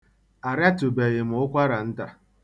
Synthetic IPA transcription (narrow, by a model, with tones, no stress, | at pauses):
a˨ɾja˦tʊ˨be˨ɣɪ˨m̩˨ʊ˦kʷa˦ɾa˨n̩˦ta˨